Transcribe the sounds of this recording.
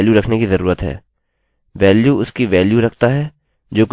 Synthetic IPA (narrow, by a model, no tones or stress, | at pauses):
ljuɾɐkʰnekizɐɾuːɾət̪ɦɛ̰ː | ʋɛːljuʊskiʋɛːljuɾɐkʰt̪aɦɛː | d͡ʒoːkʊ